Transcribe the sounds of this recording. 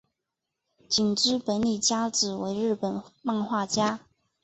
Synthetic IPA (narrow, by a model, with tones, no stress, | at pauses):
t͡ɕi˨˩ŋʈ͡ʂɻ̩˥pə˧˥nli˨˩t͡ɕja˥ʈ͡ʂɹɻ̩˨˩we˧˥ɪɻɻ̩˥˩pə˨˩nma˥˧ŋxwa˥˩t͡ɕja˥